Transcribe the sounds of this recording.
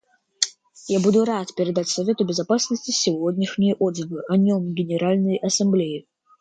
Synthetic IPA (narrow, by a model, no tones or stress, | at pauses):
jabud̪ʊɾat̪pʲɪɾʲɪd̪atʲsɐvʲe̞t̪ʊbʲɪzɐpasnəsʲtʲɪsʲɪvodʲnʲɪʂnʲɪjəʔod̪zɨvɨʔɐnʲomɡʲɪnʲɪɾalʲnəjʔɐsɐmblʲejɪ